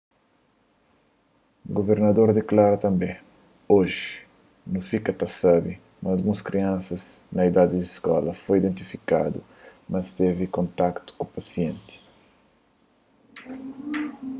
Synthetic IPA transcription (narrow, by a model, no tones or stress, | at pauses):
ɡoveɾnɐd̪oɾd̪eklaɾɐt̪ɐ̃mbẽ | oʒi | nũfikɐt̪asabi | mɐ̃alɡũskɾiãnsɐznɐid̪ad̪id̪iskɔ̰lɐfojid̪ẽnt̪ifika̰d̪ṵ | mɐst̪evikõnt̪akt̪u̥kupɐsiẽnt̪i̥